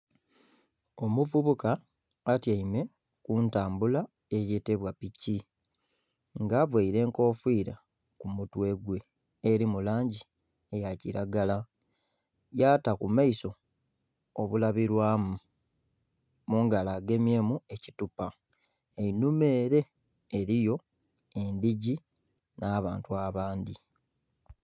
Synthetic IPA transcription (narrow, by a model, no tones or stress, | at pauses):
o̞muvuβukaː | tjaime̞ | kuntaːmbula | e̞jeteβwapici | ŋɡaːvweiɾe̞ːŋko̞ːfwiːɾa̰ | kumutwe̞ɡwe̞ː | ɾimulaːɲɟi | e̞jaciɾaɡala | jaːtakumaiso̞ | oβulaβiɾwaːmu | muːŋɡalaːɡe̞mje̞ːmue̞citupa | einume̞ːɾe̞ː | ɾijo̞ | e̞ndiɟi | naːβa̰ːntuaβaːndi